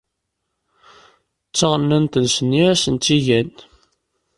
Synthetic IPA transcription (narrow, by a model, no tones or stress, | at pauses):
t͡sːɑʁnːænt̪ənsənːiæsənt̪ːiʝæn